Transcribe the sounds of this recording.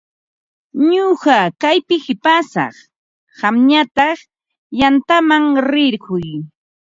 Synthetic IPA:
ɲoɢɑkajpɪhɪpasɑ̰χ | ɢɑmɲat̪ɑχ | jant̪amaŋɾɪɾɢʊj

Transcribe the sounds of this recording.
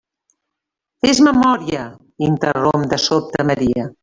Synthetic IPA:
ezməmɔɾiə | int̪ərompd̪əsop̚t̪əməɾiə

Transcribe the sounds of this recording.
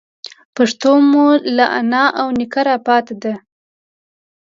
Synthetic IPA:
paʂt̪omulaʔa̰nɑʔawnɪkaɾɑpɑt̪ed̪a

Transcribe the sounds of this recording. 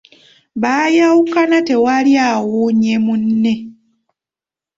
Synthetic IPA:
βaːjawukanate̞waliawuɲemunːe̞

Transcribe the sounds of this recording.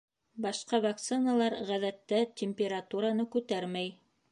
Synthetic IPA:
bɑʃqɑvak̚t̪sɨnalˠɑɾʁæðæt̪ːæt̪ʲɪmʲpʲeɾat̪uɾanɤkʉt̪æɾmæj

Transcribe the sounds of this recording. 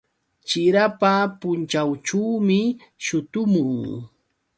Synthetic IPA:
t͡ʃɪɾapapʊnt͡ʃawt͡ʃuwmɪ | ʃʊt̪ʊmʊŋ

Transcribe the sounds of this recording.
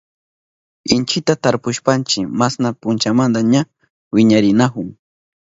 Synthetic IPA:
ɪnt͡ʃɪt̪at̪aɾpʊʃpant͡ʃɪmasnapʊnt͡ʃamand̪aɲa | wɪɲaɾɪnakʊŋ

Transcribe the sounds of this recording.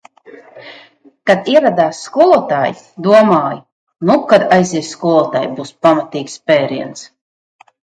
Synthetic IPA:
kad̪iɛvad̪aːsːkulˠuɔt̪aːj | d̪uɔmaːj | nukad̪ajziɛsskɔlˠuɔt̪aːjbuːspamat̪iːkspɛːɾḭɛns

